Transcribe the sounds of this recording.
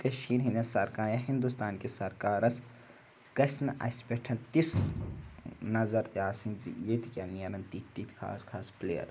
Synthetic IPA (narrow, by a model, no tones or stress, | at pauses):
kɐʃiːɾɦinɐsɐɾkaːjɐɦind̪ust̪aːnkesɐɾkaːɾɐs | kɐsnɐʔɐ̰spʲeʈʰɐnt̪is | nɐzɐɾt̪iaːsind͡ʒḭjet̪ʰikʲanijɐɾɐnt̪it̪ːit̪ʰʲkʰa̰ːskʰaːspleːjɐ̰ɾ